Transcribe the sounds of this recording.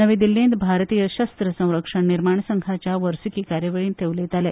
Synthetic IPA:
əʋẽd̪ilːĩnd̪bʱaɾt̪ijəɕəst̪ɾəsə̃w̃ɾəkʂəɳniɾmaɳ̃səŋɡʰʱat͡ɕjaʋəɾsikiːkaɾjəʋeɭiːnt̪eʋlet̪alɛ

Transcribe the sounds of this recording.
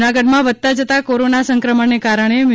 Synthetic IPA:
naɡəɖmãʋəd̪̚t̪ad͡ʒət̪akoɾonasə̃ŋkɾəməɳnekaɾəɳ̃em

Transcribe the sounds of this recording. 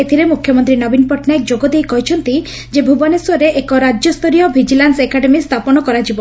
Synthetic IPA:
et̪ʰiɾemukʰjɔmɔnt̪ɾinɔbinpɔʈʰnaek̚d͡ʒoɡɔd̪ejkɔɦit͡ʃʰɔnt̪i | d͡ʒebʱubɔneswɔɾeʔekɔɾad͡ʒɔst̪ʰɔɾijɔbʱid͡ʒilansekaɖemist̪ʰapɔnɔkɔɾad͡ʒibɔ

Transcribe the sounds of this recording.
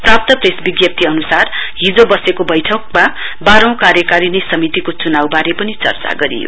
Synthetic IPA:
prap̚t̪ʌpresbiɡjʌp̚t̪ʰiʌnusarɦid͡zobʌsekobʌjʈʰʌk̚ma | baɾʌ̃w̃kaɾjʌkaɾinesʌmit̪ikot͡sunawbaɾepʌnit͡sʌ̰rt͡sa̰ɡʌɾḭjo̰

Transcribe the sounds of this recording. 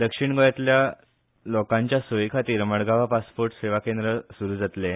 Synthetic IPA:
d̪əkʂiɳɡɔjat̪lja | lɔkãɲt͡ɕjasojkʰat̪iːɾməɽɡaʋapaspoɾʈseʋakẽnd̪ɾəsuɾuːd͡zat̪le

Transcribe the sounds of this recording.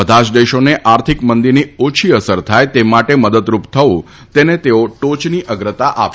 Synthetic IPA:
əd̪ʱat͡ʃd̪eʃoneʔaɾt̪ʰikmənd̪iɾniot͡ʃʰiəsəɾt̪ʰajt̪emaʈeməd̪əd̪ɾupt̪ʰəʋũ | t̪enet̪eoʈot͡ʃniʔəɡɾət̪aʔap

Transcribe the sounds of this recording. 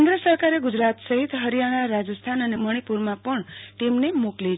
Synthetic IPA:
nd̪ɾəsəɾkaɾeɡud͡ʒɾat̪səɦit̪ɦəɾijaɽ̃aɾad͡ʒəst̪ʰanəneməɽ̃ipuɾmãpəɳʈimnemokli

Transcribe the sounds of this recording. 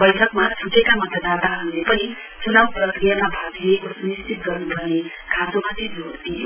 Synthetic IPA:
bʌjʈʰʌkmat͡sʰuʈekamʌt̪ʌd̪at̪aɦʌnlepʌni | t͡sunawprʌkrijamabʱakijekosunistʰit̪̚ɡʌrnubʱʌne | kʰãsomat̪idot̪ijo

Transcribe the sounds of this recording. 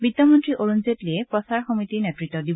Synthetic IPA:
bit̪ːɔmɔntɹiʔoɹunzetliepɔsaɹxɔmit̪inetɹit̪ːɔdib

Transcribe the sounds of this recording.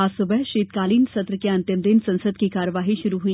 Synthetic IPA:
aːsʊbəɦʃeːt̪̚kaːliːnsɐt̪ɾəkeɐ̃nt̪jəmd̪ɪnsɐ̃nsəd̪̚kikaːɾəʋaːɦiʃʊɾuɦui

